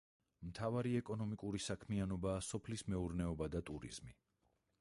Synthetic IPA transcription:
mt̪ʰavaɾiɛkʼɔnɔmikʼuɾisakʰmianɔbaːsɔpʰlismɛuɾnɛɔbad̪at̪ʼuɾḭz̥mi

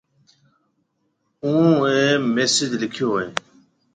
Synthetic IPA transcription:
ũːẽːmeːsɪd͡ʑlɪkʰjoːẽː

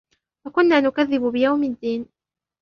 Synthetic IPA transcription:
wakʊnːaːnʊkaðːɪbʊbɪjawmɪd̪ːiːn

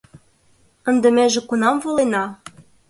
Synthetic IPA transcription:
ə̆nd̪ə̆meʒĕkunɑmvolenɑ

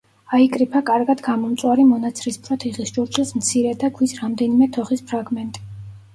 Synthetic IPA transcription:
aikʼɾipʰakʼaɾɡad̪ɡamɔmt̪sʼwaɾimɔnat̪sʰɾispʰɾɔt̪ʰiʁisd͡ʒɔɾt͡ʃʰʼismt̪sʰiɾɛd̪aɡʰwisɾamd̪ɛnimɛt̪ʰɔχispʰɾaɡmɛnt̪ʼi̥

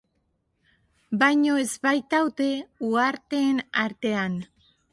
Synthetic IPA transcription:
bajɲo̞ezβajt̪awt̪e̞uaɾt̪e̞ːnaɾt̪e̞an

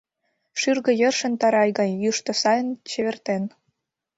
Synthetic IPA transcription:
ʃyrɣɤ̆jə̆rʃə̆nt̪ɑɾɑjɣɑnʲjuʃt̪ŏsɑjə̆nt͡ɕĕβĕrt̪en

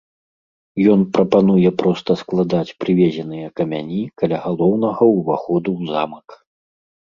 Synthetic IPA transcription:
jɔnpɾɐpanujɛpɾɔst̪ɐsklˠad̪at͡sʲpɾɨvʲɛzʲɛn̪ɨjɐkɐmʲa̰nʲikɐlʲaɣalˠɔwnɐɣɐwuvaxɔd̪uwzamɐk

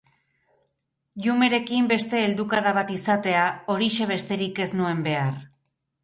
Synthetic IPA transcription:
ʎume̞ɾe̞kimbe̞st̪e̞ːld̪ukaðaβ̞at̪isat̪e̞ao̞ɾiʃe̞β̞e̞st̪e̞ɾike̞znue̞mbe̞ar

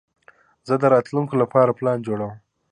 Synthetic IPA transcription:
zəd̪əɾɑt̪luŋkolapɑɾaplɑnd͡ʒoɽawm

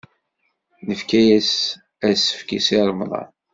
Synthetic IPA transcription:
nəfkæjæs | æsə̥fkisiɾˤəmðˤɑ̰

